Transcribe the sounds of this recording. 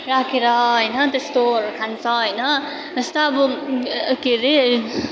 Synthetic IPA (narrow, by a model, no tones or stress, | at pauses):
rakʰeɾʌɦɦʌjnʌt̪est̪orkʰant͡sʰʌɦʌjnʌ | t̪ʌst̪ʌːbʌː | keɾe